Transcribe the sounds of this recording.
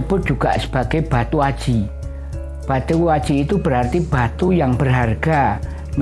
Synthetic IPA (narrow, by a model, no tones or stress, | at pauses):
pʊn̚dd͡ʒ̥uɡ̥aʔsə̥b̥aɡ̥eb̥a̤t̪uad̥ʒ̥i | b̥at̪uad̥ʒ̥iːt̪ub̥əɾart̪ib̥at̪ujaŋb̥ərɦarɡ̥a | n